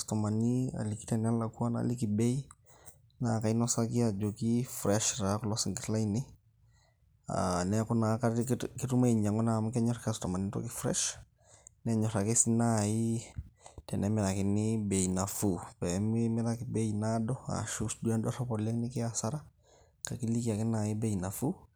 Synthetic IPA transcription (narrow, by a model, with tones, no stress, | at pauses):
stɔ˨ma˨ni˦a̰˨li˨ki̥tɛ˨nɛ˦la˨ku˦a˦na̰˦li˦ki˨be˦j | na˨ka˨i˦nɔ˦sa˦kɪ˦a˨d͡ʒo˨ki˦fɾɛ˦ʃɾa˨˦kɔlɔ˦sɪ˨ŋɡɪ˨tla˦inɪ˦ | a̰nɛ˦kʊ˦na˨˦kaki˦tu˦ma˦i˨ɲa˨ŋɔ˦na˨m˦kɛ˦ɲɔ˦ɾakastɔ˨ma˨ni˦tɔ̰˦kɪ˦fɾɛ̰˦ʃ | nɛ˦ɲɔ˨ɾa˨kɪ˦sɪ˦na˦i˦ | tɛ˨nɛ˦mɛ˨ɾa˨kɪ˨nɪbe˨i˨na˨fu˨pɛ˨˦mi˦mɛ˦ɾa˦kɪ˨be˦i˨na˦dɔ˦a̰˨ʃu˦sdu˦a˦ndɔ˦ɾɔ˦pɔlɛ˦knɪ˦kɪ˦a˨sa˦ɾa˦ | ka˨ki˦li˦ki˨a˨kɪ˦na˨ɪ˦be˦i˨na˨fu˦